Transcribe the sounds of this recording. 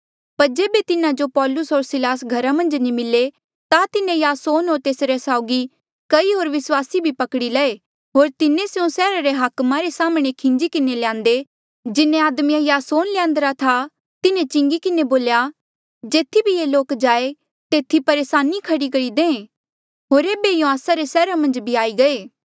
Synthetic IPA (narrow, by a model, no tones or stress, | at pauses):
pɐɾd͡ʒeːbet̪ɪnãd͡ʒopɔːlʊsɦoːɾsɪlaːsɡʱɐɾamɐ̃nd͡ʒnĩmɪlːe | t̪at̪ɪnẽjaːsoːnɦoːɾt̪eːsɾesaːʊɡi | kɐiɦoːɾʋɪswaːsibʱipɐkɽilɛe | tɦoːɾt̪ɪnẽseũsɛːɾaɾeɦɐkmãɾesaːmɽ̃ekʰɪ̃nd͡ʒikɪneljãːnd̪e | d͡ʒɪnẽaːd̪mijãjaːsoːnlɪjãːnd̪əɾat̪ʰa | t̪ɪnẽt͡ʃɪ̃ŋɡikɪneboːlja | d͡ʒeːt̪ʰːibʱieːloːkd͡ʒaːe | t̪eːt̪ʰːipɐɾeːsaːnikʰɐɽikɐɽid̪ẽːẽ | ɦoːɾeːbejõaːsaɾesɛːɾamɐ̃nd͡ʒbʱiaːiɡɐeː